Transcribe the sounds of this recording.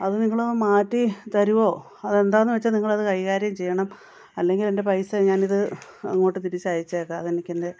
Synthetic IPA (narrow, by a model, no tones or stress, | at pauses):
ɐðɨniŋːɐɭomaːtːit̪ɐɾuʋo̞ː | ɐðe̞nd̪aːnːɨʋet͡ɕːɐniŋːɐɭɐðɨkɐɻiɣaːɾjɐmt͡ɕe̞jːɐɳɐm | ɐlːe̞ŋɡile̞nde̞pɐjsɐɲaːniðɨɐ̰ŋːoːʈːɨt̪iɾit͡ɕːaːjit͡ɕːakːɨɐðenikʲːende̞